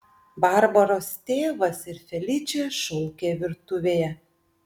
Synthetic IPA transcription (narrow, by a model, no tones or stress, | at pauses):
bɑɾbɐɾoːst̪ʲeːʋɐsɪɾfʲɛlʲɪt͡ʃʲeʃʊlʲˠkʲeːʋʲɪɾt̪ʊʋʲeːjɛ